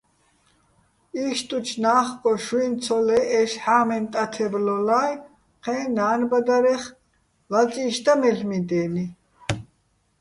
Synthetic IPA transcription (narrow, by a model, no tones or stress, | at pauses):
iːʃt̪ʼut͡ʃʰnaːχkʼɔʃuint͡sʰɔlɛɛʃħaːmɛnt̪ʼat̪ʰɛblɔlaːj | qʰɛːnaːnbad̪aɾɛχ | vat͡sʼiːʃt̪amɛɬmid̪ɛːni